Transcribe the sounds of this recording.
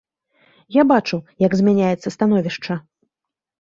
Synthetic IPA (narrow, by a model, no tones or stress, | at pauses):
jabat͡ʂujɐɡzʲmʲanʲajɛt̪sːɐst̪anɔvʲiʂt͡ʂɐ